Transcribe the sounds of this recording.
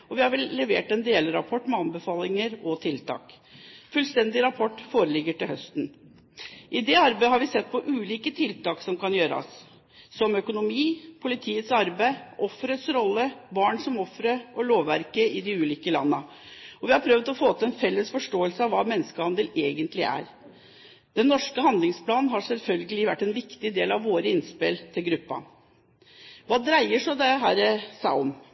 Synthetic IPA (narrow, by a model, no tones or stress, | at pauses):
ɔʋɪhɑɾʋɛlːɛʋḛːʈɛnd̪eːlɾɑpʰɔʈːmɛɑnbəfɑːlɪŋəɾɔt̪ʰɪlt̪ʰɑ̰ːk | fʉlst̪ɛnd̪ɪɾɑpʰɔʈːfoːɾəlɪɡːəʈɪlhœst̪n | ʔɪd̪ɛɑɾbæɪɦɑɾʋɪsɛt̪ːpʰɔʔʉːliːkət̪ʰɪlt̪ɑːksɔmkʰɑnjøːɾɑ̰sː | ɔmœkʊnʊmiːpʰʊlɪt̪ʰiːət̪sɑɾbæɪʔɔfːɾət̪sɾɔlːəbɑːɳsɔmɔfɾəʔɔloːʋæɾkəɪd̪ɪʉːliːkəlɑ̰nːə | ɔʋɪhɑɾpʰɾœʋd̪ɔfoːt̪ʰəɛnfɛlːəsfɔʂʈoːəlsəɑʋʋɑːmɛnːəskəhɑnd̪əleːɡənt̪lɪ̰ʔæ̰ɾ | d̪̥ɛnːɔʂkəhɑnd̪lɪŋspʰlɑːnnɦɑʂɛlfœlɡəlɪʋæʈːɛnʋɪkt̪ɪd̪eːlɑʋʋoːɾəɪnspɪlt̪ʰɪlɡɾʉpːɑ̰ | ʋɑːd̪ɾæɪəʂɔd̪ɛɦæːɾəsæɪɔm